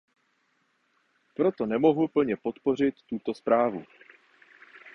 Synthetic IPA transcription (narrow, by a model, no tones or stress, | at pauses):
pɾo̞t̪o̞nɛmo̞ɦupl̩ɲɛpo̞t̪po̞r̝ɪt̪ːut̪o̞spɾaːvṵ